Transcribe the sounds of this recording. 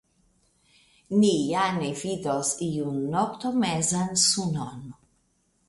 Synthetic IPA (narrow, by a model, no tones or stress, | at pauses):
nijanevid̪osiunːɔkt̪omɛzansunon